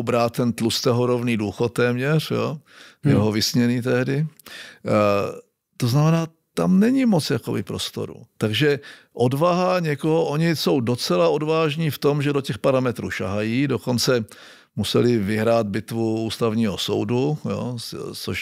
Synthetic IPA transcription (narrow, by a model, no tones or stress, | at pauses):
bɾaːt̪̚t̪ːɛnt̪lust̪ɛɦoɾovniːduːxot̪̚ːɛːmɲɛrjo̰ːjɛɦovɪsɲɛniːt̪ɛɦdɪ | t̪oznamɛnaː | t̪a̰mnɛɲɪmot͡sjako̰bɪ̰pɾost̪o̰ɾṵt̪aɡʒɛ | ʔodvaɦaɲɛkoɦoʔoɲɪso̞wdo̞t͡sɛlao̞dvaːʒɲiːft̪o̞mʒɛdocɛxpaɾamɛt̪ɾṵːʃa̰ɦajiːdoko̞nt͡sɛ | musɛlɪvɪɦɾaːd̪̚bɪt̪vuuːst̪avɲiːɦoso̰wdujo̰t͡so̰ʃ